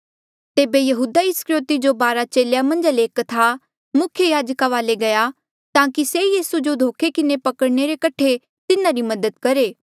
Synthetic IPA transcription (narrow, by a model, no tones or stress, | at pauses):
t̪eːbejɐɦuːd̪aɪskɾoːt̪id͡ʒobaːɾat͡ʃeːljamɐ̃nd͡ʒleːkt̪ʰa | mʊkʰjəjaːd͡ʒkaʋaːleɡɐja | t̪ãːkisejiːsud͡ʒod̪ʱoːkʰekɪnepɐkəɽñeɾekɐʈʰe | t̪ɪnãɾimɐd̪əd̪̚kɐɾeː